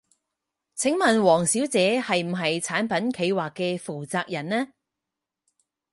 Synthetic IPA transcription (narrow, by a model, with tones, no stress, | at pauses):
t͡sʰɪ˨˥ŋmɐ˨nwɔː˨˩ŋsiː˨˥wt͡sɛː˨˧hɐ˨jm̩˨˩ɦɐ˨jt͡sʰaː˨˥npɐ˨˥nkʰe˨˧jwaː˨kːɛː˧fuː˨˩wt͡saː˨˧k̚jɐ˨˩nnɛː˥